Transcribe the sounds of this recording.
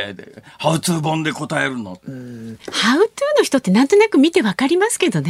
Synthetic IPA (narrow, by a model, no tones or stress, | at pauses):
haɯ̟t͡sɨːbõ̞nd̪e̞ko̞t̪aeɾɯ̟no̰ | haɯ̟t͡sɨːno̞çi̥t̪o̞t̪ːe̞nãnt̪o̞nakɯ̟mʲit̪e̞βakaɾʲimasɨ̥ke̞d̪o̞ne